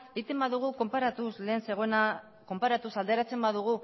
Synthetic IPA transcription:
eit̪embaðuɣ̞uko̞mpaɾat̪usle̞ːnse̞ɣ̞o̞ena | ko̞mpaɾat̪usald̪e̞ɾat͡se̞mbaðuɣ̞u

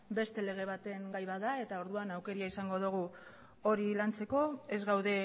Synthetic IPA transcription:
be̞st̪e̞le̞ɣ̞e̞β̞at̪e̞ŋɡajβaðae̞t̪ao̞ɾðuanawke̞ɾiaisaŋɡo̞ðuɣ̞u | o̞ɾilant͡se̞ko̞ezɣawðe̞

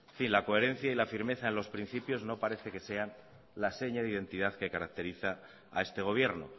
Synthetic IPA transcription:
finlako̞e̞ɾẽ̞n̟θjailafiɾme̞θaenlo̞spɾin̟θipjo̞zno̞paɾe̞θe̞ke̞se̞an | lase̞ɲaðeiðe̞nt̪iðaðke̞kaɾak̚t̪eɾiθa̰ː | e̞st̪e̞ɣ̞o̞βje̞ɾno̰

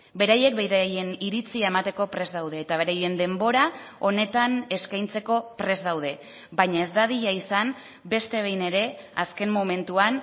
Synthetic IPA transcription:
be̞ɾaje̞kbeɾje̞niɾit͡siae̞mat̪e̞ko̞pɾe̞zd̪awðe̞ːt̪aβe̞ɾaje̞nd̪e̞mbo̞ɾao̞ne̞t̪ane̞skajnt͡se̞ko̞pɾe̞zd̪awð̞e̞ | bajɲae̞zd̪aðiʎaisan | be̞st̪e̞β̞e̞jne̞ɾe̞aske̞mmo̞me̞nt̪uan

